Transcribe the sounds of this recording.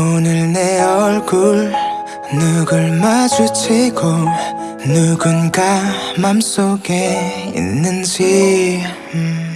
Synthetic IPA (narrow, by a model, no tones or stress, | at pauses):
onɯɭneʌɭɡɯɭ | nɯɡɯɭmad͡ʑut͡ɕʰiɡo | nɯɡɯnɡamams͈oɡeḭnːɯnd͡ʑi